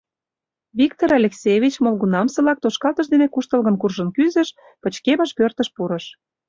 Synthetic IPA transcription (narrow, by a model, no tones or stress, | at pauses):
βik̚t̪oɾɑlʲeksʲevʲit͡ɕmolɣunɑmsɤ̆lɑk̚t̪oʃkɑlt̪ə̆ʃd̪enekuʃt̪ə̆lɣə̆mkurʒə̆nkyzə̆ʃ | pə̆t͡ɕkemə̆ʃpørt̪ə̆ʃpuɾə̆ʃ